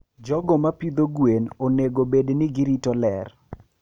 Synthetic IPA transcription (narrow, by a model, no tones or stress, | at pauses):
d͡ʒɔɡɔmapid̪oɡwenoneɡobednɪɡiɾitɔlɛ̰r